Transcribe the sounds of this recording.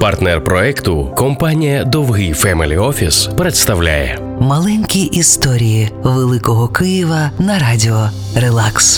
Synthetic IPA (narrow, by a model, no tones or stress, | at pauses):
pɐrt̪nɛrpɾɔɛkt̪ʊkɔmpanʲijɐd̪ɔwɦɪjfɛmɪlʲiɔfʲispɾet̪st̪ɐwlʲa̰jɛ̰ | mɐlˠɛnʲkʲiʔist̪ɔɾʲijiʋelˠɪkɔɦɔkɪjiʋɐnɐɾadʲiɔ | relˠaks